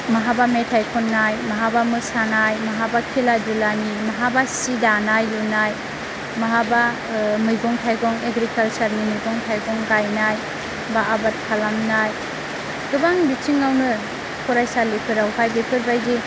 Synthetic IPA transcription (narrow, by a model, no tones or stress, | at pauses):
maɦabametʰajkʰɔnːajmaɦabamɯsanajmaɦabakʰiladulanimaɦabasidanajlunaj | maɦaba | mɯjɡɔŋtʰajɡɔŋeɡɾikalt͡ʃaɾnimɯjɡɔŋtʰajɡɔŋɡajnaj | baʔːbat̚kʰalamnaj | dubaŋbit͡ʃiŋːawnɯ | kʰɔɾajsalipʰɯɾawpʰajbipʰɯɾbajdi